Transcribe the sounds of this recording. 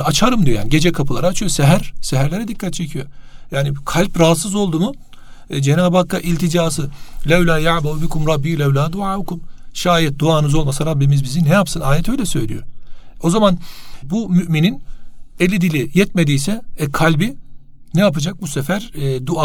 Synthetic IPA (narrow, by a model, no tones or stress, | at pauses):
at͡ʃʰaɾɯmd̪ijojaːniɟe̞d͡ʒɛkʰapʰɯlˠaɾaːt͡ʃʰɯjo̞seɦæɾsɛɦæɾlʲe̞ɾɛd̪ikːat̪̚t͡ʃʰe̞cʰijo̞̰jaːnikʰalʲpɾaɦat̪sɯzo̞lˠd̪umʊ | d͡ʒenaːbakːaʔilʲt̪ʰid͡ʒaːsɯlʲɛwlʲaːjaʕbaubikʰumɾɑbːiːlʲɛwlʲaːd̪uʕaːukumʃaːjɛt̪̚d̪uaːnɯzo̞lˠmasaɾabːimizbizinɛjapsɯnaːjɛt̪ʰø̞jlʲɛsø̞̰jlʲḭjoo̞zamanbumyʔmininelʲːid̪ilʲijɛt̪me̞d̪ijsɛɛkʰalʲbi | nɛjapad͡ʒak̚busefæɾd̪uaː